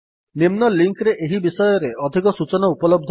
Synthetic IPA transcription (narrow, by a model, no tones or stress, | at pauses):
nimnɔliŋkɾeʔeɦibisɔjɔɾeʔɔd̪ʱikɔsut͡ʃɔnɔupɔlɔb̚d̪ʱ